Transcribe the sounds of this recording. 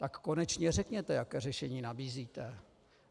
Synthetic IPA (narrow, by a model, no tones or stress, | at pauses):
t̪akːonɛt͡ʃɲɛrɛkɲɛt̪ɛjakɛːrɛʃɛɲiːnabiːziːt̪ɛ